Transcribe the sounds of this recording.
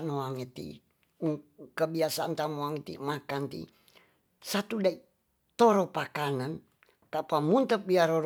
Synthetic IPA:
noaŋit̪ḭ | uŋkəbiasaʔnt̪amoaŋit̪ḭmakant̪ḭ | sat̪udai | t̪oɾopakanan | kapamunt̪əp̚biaɾoɾ

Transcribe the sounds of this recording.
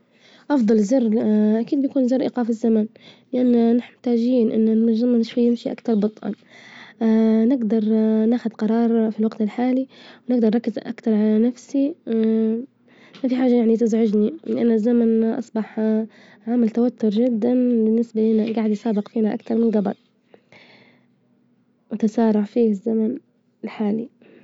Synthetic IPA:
ʔɑfd̪ˤɑlzɑrʔakiːd̪bjakuːnzɪɾˤʔɪ̰qɑːfɪzːamanlɪʔanːanɪħt̪aːd͡ʒiːnʔɪnːɪlmʊzamanɪʃwajːɪmʃiʔa̰kt̪ɑɾˤbɑt̪ˤʔɑ̰nː | nɪɡd̪ɑɾˤnaːxʊd̪qɑɾˤɑːɾˤfilwaɡt̪ɪlħaːliwnɪɡd̪ɑɾˤɑkːɪzʔakt̪ɑɾˤʕalanafsi | mafiħaːʒːajaʕnit̪ɪzʕʊd͡ʒniɪlʔanazːamanʔɑ̰sˤbɑħ | ʕaːmalt̪awat̪ːʊɾˤd͡ʒɪd̪ːanbɪnːɪsbalɪːnaɡaːʕɪd̪jsaːbɪqfiːnaʔa̰kt̪ɑɾˤmɪnɡɑbɑ̰t̪̚ˤ | wɪt̪asɑːɾˤɑʕfiːɪzːaman | ɪlħaːli

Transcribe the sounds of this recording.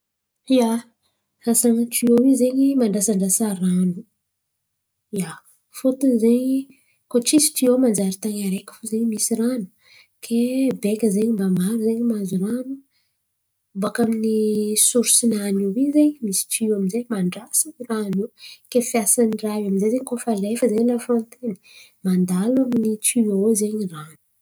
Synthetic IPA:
ija | asaŋʈ͡ʂiowizeɲimaɳɖ͡ʐasaɳɖ͡ʐasaɾanu | ja | fot̪unzeɲi | koʈ͡ʂisi̥ʈ͡ʂiomand͡ʒaɾit̪aɲaɾekʲə̥fuzeɲmisiranu̥ | kʰebekʲəzeɲimbamaɾuzeɲimazuɾanu | bakaminisuɾsinaniwizeɲmisi̥ʈ͡ʂiaminzemaɳɖ͡ʐasaniranukefijasaniraɦaminzejzeɲikofalefəzeɲlafõnt̪eni̥mand̪alaminit͡siozeɲiranu̥

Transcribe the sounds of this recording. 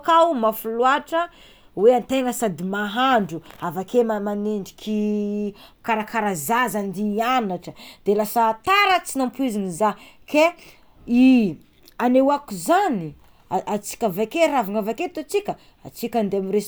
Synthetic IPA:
kawmafuluaʈ͡ʂə | weant̪eŋəsad̪imaɦaɳɖ͡ʐuavakemamaneɳɖ͡ʐi̥kʰʲi | kaɾakʰaɾazazand̪ianaʈ͡ʂəd̪̥elasat̪aɾət͡sinampuiziniza | ke | i | anewakuzani | at͡si̥kʲavakeɾavaŋavaket̪ot͡sikʲə | a̰t͡sikʲand̪eamiɾes

